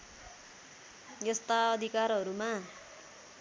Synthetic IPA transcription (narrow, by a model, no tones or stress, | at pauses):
jest̪aɔd̪ikaɾɔɾuma